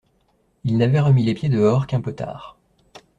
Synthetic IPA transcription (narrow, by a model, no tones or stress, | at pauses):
ilnavɛʁəmilepjed̪əɔʁkɛ̃pøt̪a̰ːʁ